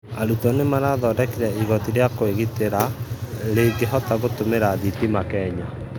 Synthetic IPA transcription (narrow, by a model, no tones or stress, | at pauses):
aɾutɔnemanaðɔdɛkeɾɛiɣɔtiɾeakoeɣiteɾaɾeɡeɦɔtaɣotomeɾaðitimakɛɲa